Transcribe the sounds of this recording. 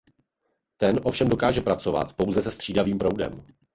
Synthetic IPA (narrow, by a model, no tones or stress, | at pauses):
t̪ɛnʔo̞fʃɛmdo̞kaːʒɛpɾat͡so̞va̰t̪po̞wzɛsɛst̪r̥iːdaviːmpɾowdɛ̰m